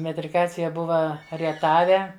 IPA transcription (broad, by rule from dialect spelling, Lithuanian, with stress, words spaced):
mʲɛtʲrʲɪˈkɑːt͡sʲɪjɛ ˈbʊʋɐ rʲiɛˈtɑːʋʲɛ